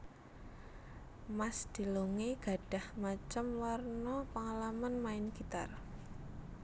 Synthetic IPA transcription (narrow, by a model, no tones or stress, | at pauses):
masd̪̥i̤loŋeɡ̥a̤ɖ̥a̤hmat͡ʃəmwarnɔpəŋalamanmaɪnɡ̥it̪a̰r